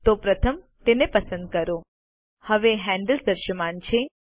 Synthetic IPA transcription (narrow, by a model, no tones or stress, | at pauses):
t̪opɾət̪ʰəm | t̪enepəsə̃nd̪̚kəɾo | həʋeɦɛ̃ɳɖəld̪əɾʃəmant͡ʃʰe